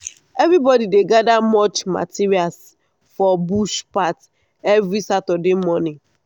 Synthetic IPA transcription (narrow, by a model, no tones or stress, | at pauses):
ɛvɾibɔdideɡadamɔt͡ʃma̰tiɹials | fɔbuʃpat | ɛvɾisatɔdemɔni